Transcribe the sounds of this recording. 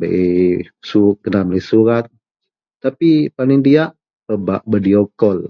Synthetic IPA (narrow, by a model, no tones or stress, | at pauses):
bə̰ʔe | suɡənamlisuɾat̪̚ | t̪apipaniŋdiaʔ | pəbaʔbədiɔkɔl